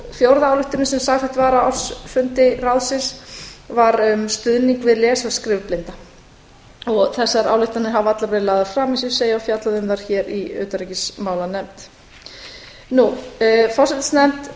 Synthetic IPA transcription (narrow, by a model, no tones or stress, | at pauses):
fjowɾðaawlʏht̪ʏɾɪsɛmsaːɣfɛt̪vaːɾaɔsfʏnt̪ɪɾawðsɪnsvaɾʏmst̪ʏðniŋkvɪðlɛːsaskɾɪːvplɪnt̪a | ɔɣθɛsːaɾa̰ːwlʏht̪anɪɦavat̪lapɾɛðlaːðafɾaːmisʏ̥seːjaawfjat̪laðʏmðaɾ̥çɛːɾiœ̰ːt̪aɾɛcɪsmaːwlanɛmt̪ | nufɔrsɛt̪snɛmt̪